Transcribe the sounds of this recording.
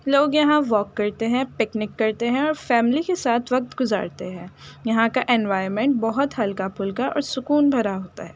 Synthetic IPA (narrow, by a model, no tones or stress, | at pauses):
loːɡjɐɦãʋɔːkːɐɾt̪eɦɛ̃pɪknɪkːɐɾt̪eɦɛ̃ɔːɾfɛːmlikesaːt̪ʰʋɐk̚t̪ɡʊza̰ːɾt̪eɦɛ̃ːjɐɦãkaʔɛ̃nʋaːɪɾmɛ̃ɳʈ̚bɔɦʊt̪ɦɐlkapʊlkaʔɔ̰ːɾsʊkuːnbʱɐɾaɦoːt̪a̰ɦɛː